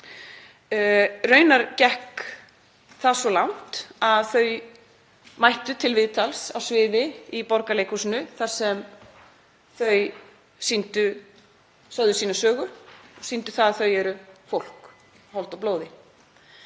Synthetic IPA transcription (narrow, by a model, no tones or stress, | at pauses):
rœɥnaɾcɛhk | θasvɔlawn̥t̪aðθœɥ | majht̪ʏt̪ʰɪlvɪðt̪ʰalsawsvɪːðɪipɔɾkalejkusnʏθḁsɛm | θœɥ | sint̪ʏ | sœðʏsiːnasœːɣʏɔsint̪ʏθaðθœɥɛɾʏfowl̥k | hɔlt̪awploːwðɪ